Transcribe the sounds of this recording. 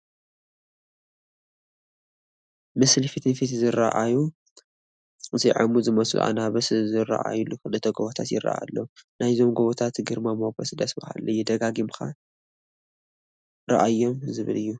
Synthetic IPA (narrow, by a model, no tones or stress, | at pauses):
mɨslfit̪ʰɨnfit̪zɨɾa̰ʔaju | ziʕamuzɨmɐslṵʔa̰naβɐszɨra̰ʔa̰julːukɨlɨt̪ʰɐɡoβot̪ʰat̪jɪ̰ra̰ʔa̰lːonajzo̞mɡoβot̪ʰat̪ɡɨɾmamokʰɐsd̪ɐsbɐha̰lːɐjːɛd̪ɐɡaɡimka | ɾɐ̰ʔajːo̞mzɨβɨ̰lɨjːu